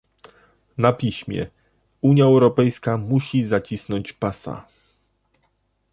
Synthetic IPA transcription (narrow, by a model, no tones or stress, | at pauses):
napʲiɕmʲjɛ̰ | uɲjaɛwɾɔpɛjskamuɕizat͡ɕisnɔɲt͡ɕpasa̰